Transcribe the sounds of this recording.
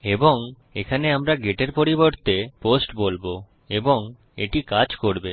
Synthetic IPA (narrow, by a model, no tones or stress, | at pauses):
eboŋ | ekʰaneamɾaɡeʈeɾpoɾiboɾt̪eposʈbolbo | eboŋ | ḛʈikad͡ʑkoɾbe